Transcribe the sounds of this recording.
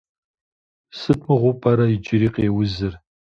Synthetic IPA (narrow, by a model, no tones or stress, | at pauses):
sɨtʰʼmɨʁʷʊpʼɐɾɐid͡ʒɪɾiːqeːwʊzɨr